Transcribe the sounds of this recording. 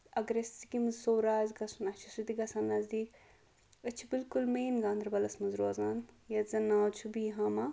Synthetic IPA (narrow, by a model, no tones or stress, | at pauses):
ɐɡɾeɐst͡sikimɐzsoːɾaːzɡɐsunɐt͡ʃʰu̥sɾit̪iɡɐsaːnːɐzd̪iːk | ɐt͡ʃʰibilkulmeːnɡãːnd̪ʱɾbɐlɐsmɐnzɾoːzaːnjɐzɐnːaːt͡ʃʰubiɦaːma